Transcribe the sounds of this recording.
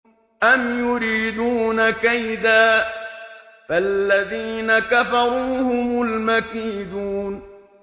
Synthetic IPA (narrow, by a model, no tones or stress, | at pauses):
ʔamjʊɾiːd̪uːnakajd̪aː | falːaðiːnakafɑɾuːhʊmʊlmakiːd̪uːn